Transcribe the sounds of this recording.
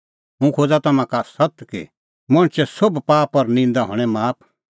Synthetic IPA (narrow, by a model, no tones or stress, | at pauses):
ɦũkʰoːd͡zat̪ɐmãkasɐt̪kḭ | mɔ̃ɽ̃t͡ʃɛsobpaːpɔɾnĩːnd̪aɦɔ̰ɽ̃ɛ̃maːp̚ʰ